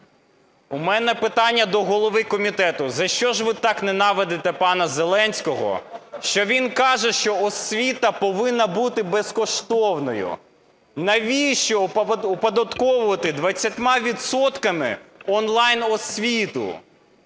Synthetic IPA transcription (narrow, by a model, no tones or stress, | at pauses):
umɛnɛpɪt̪ɑnʲːɐd̪ɔɦɔlˠɔʋɪkɔmʲit̪ɛt̪ʊzɐʃt͡ʃɔʒʋɪt̪ɑknɛnɑʋed̪et̪ɛpɑnɐzelˠɛnʲsʲkɔɦɔ̰ʃt͡ʃɔʋʲinkɑʒɛʃt͡ʃɔɔsʲʋʲit̪ɐpɔʋɪnːɐbut̪ɪbeskɔʃt̪ɔwnɔjʊ̰ | nɐʋʲiʃt͡ʃɔupɐd̪ɐt̪kɔʋʊʋɐt̪ɪd̪ʋɐt͡sʲːɐt̪ʲmɑʋʲit̪sɔt̪kɐmɪ̰ɔnlˠɑjnɔsʲʋʲit̪ʊ̰